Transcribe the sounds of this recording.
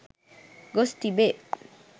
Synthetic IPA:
ɡost̪ibe

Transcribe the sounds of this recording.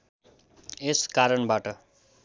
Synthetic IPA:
eskaɾʌɳbaʈʌ

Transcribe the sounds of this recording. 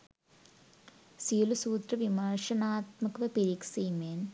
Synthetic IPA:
siːlusuːt̪rɐʋimaːʂɐnaːt̪mɐkʋɐpeɾiksiːmen

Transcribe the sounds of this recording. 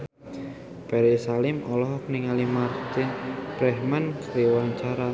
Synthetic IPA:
pɛɾisalɪmɔlɔɦɔk̚niŋalimart̪ɪnpɾɛhmankəɾiwaɲt͡ʃaɾa

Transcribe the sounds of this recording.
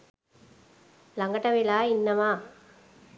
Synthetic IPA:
lɐŋɡɐʈːɐʋilaːɪnːɐmaː

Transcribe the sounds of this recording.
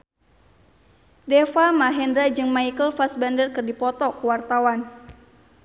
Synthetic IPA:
dɛfamaɦɛndɾad͡ʒɨŋmaikəlfasbandərkɨrdipɔt̪ɔkəwart̪awan

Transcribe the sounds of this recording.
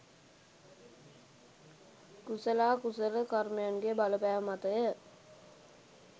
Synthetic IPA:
kusəlaːkusəɾəkarmejanɡebaləpæːʋəmat̪əjə

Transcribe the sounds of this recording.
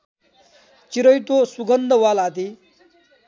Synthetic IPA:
t͡ʃiɾʌjt̪osuɡʌnd̪ʱəwalat̪i

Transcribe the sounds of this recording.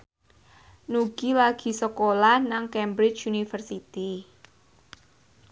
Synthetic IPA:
nuɡ̥ilaɡ̥i̤səkolanaŋkɛmbɾɪt͡ʃunifərsit̪i

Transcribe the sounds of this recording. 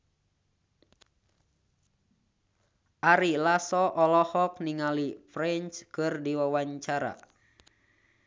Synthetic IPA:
ʔaɾilasɔʔɔlɔhɔk̚niŋalifɾɛnt͡ʃkɨrdiwawaɲt͡ʃaɾa̰

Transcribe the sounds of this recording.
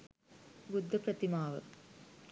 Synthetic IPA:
ɡud̪ʱːɐpɾɐt̪imaːʋɐ̰

